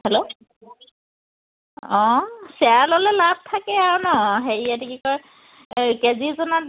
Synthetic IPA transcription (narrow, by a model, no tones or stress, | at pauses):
hɛlo | ɔ̃sɛalɔlɛlab̚t̪ʰakɛaonɔɦeɹijadikikɔj | kezizɔna